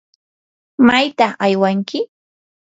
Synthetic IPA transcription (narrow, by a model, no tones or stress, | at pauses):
majt̪ɑχajwaŋkɪ